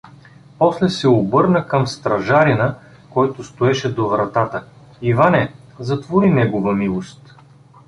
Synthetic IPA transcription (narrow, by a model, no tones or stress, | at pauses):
pɔslɛsɛobɤɾnəkəmst̪ɾɐʒaɾinə | kɔjt̪ʊst̪oɛʃɛd̪ovɾɐt̪at̪ə | ivanɛ | zɐt̪voɾinɛɡovəmilˠost̪